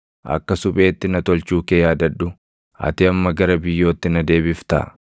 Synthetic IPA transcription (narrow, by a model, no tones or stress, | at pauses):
ʔɐ̰kːɐsʊpʼe̞ːt̪ːɪnɐt̪ɔlt͡ʃuːkejaːd̪ɐᶑːʊ | ɐ̰t̪ɪɐmːɐɡɐɾɐbɪjːo̞ːt̪ːɪnɐd̪e̞ːbɪft̪ɐ̰ː